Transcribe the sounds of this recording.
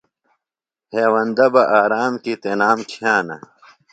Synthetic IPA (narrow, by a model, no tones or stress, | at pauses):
heːwɐnd̪ɐbɐʔaːɾaːmkit̪enaːmkʰjaːnɐ̰